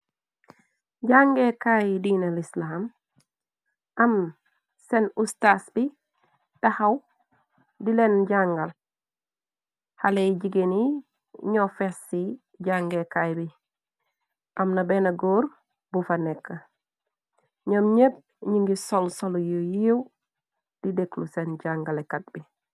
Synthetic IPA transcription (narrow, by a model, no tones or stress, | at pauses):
ɟaŋɡekajdinɐlislam | ɐm | senustasbi | tahɐw | dilenɟaŋɡɐl | haleɟiɡeni | ɲofesːi | ɟaŋɡekajbi | ʔamnabenaɡoːɾ | bufanekːa | ɲomɲeb̚ | ɲiŋɡisolsoljojiw | d̥ideklusenɟaŋɡalekat̚bi